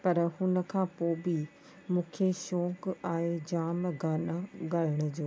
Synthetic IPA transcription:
pɐɾhʊnə̆kʰãːpoːbɪ | mũːkʰeʃɔ̃ːkaːɦed͡ʑaːmɡaːnaɡaːɾɪɽ̃ʊd͡ʑoː

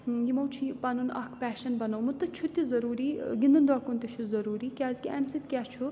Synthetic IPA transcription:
jimɐwt͡ʃʰipɐnunɐ̰kʰpæːʃɐnbɐnɐwmut̪ɐt͡ʃʰut̪izɐɾuːɾiːɡind̪ɐnd̪ɔɽkunt̪it͡ʃʰuzɐɾuːɾiːkʲaːzkʲiɐmsit̪kʲaːt͡ʃʰu

